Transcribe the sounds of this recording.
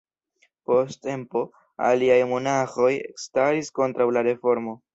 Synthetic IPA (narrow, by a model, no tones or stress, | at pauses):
po̞stte̞mpo̞ | a̰liajmo̞naxo̞jḛkstaɾisko̞ntɾawlaɾe̞fo̞ɾmo̞